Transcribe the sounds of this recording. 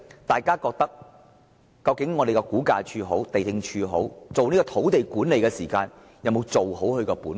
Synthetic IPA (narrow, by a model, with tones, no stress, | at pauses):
t̪aː˨˩jkaː˥kɔː˧k̚t̪ɐ˥k̚ | kɐ˧wkɪ˨˥ŋːɔː˨˧d̪e˨jkɛ˧kuː˨˥kaː˧t͡ʃʰyː˨˧ɦo˨˥wt̪e˨jt̪ɪ˧ŋt͡ʃʰyː˧ɦo̰˨˥wt͡so˨wniː˥kɔː˧t̪ʰo˨˥wt̪e˨jkuː˨˥nle˨jkɛː˧siː˨˩kaː˧n | jɐ˨˧wmo˨˧wt͡so˨who˨˥whɵ˧ɥkɛː˧puː˨˥n